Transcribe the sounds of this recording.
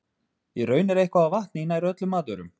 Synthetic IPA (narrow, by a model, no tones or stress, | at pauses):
jɛɾœːɥnɛɾejhkvaːvaht̪nɪinːaiɾœt̪lʏmaːðʏɾʏm